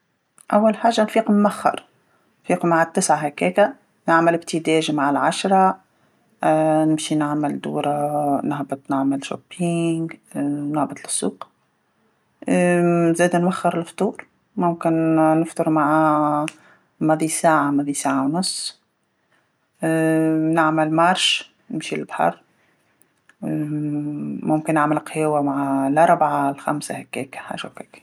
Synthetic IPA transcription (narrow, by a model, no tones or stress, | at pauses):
ʔæwːalħaːʒːanfiːqmʔæxːɑ̰ɾˤ | nfiːqmaʕat̪ːɪsʕaɦækɛːkæ | nɪʕməlɪb̚t̪ʰɪd̪ɛːʒmaʕalʕaʃɾˤɑ | nɪmʃinaʕməld̪ṵːɾˤɑnɪhbɑt̪ˤnaʕməlʃo̰pːiːŋɡnɪʕbɪt̪lɪsˤːṵːq | zɛːd̪nwæxːɑɾˤɪlft̪ˤuːɾ | mʊmkɪnnʊft̪ˤʊɾmaʕa | mæðisaːʕamæðisaːʕawnʊsˤː | naʕməlmɑɾˤʃ | nɪmʃilbħɑ̰ɾˤ | mʊmkɪnːaʕməlqjwæmaʕalʔɑɾˤbʕalxa̰msahækːɛːkħa̰ːʒakɛːk